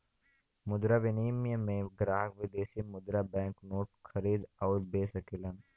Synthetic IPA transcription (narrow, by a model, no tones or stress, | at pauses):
mʊd̪ɾaʋɪniːmijəmẽɡɾaːɦəkʋɪd̪eːsimʊd̪ɾabɛ̃ːŋknoːʈxʰɐɾiːd̪ɔːɾbeːsəkɪlən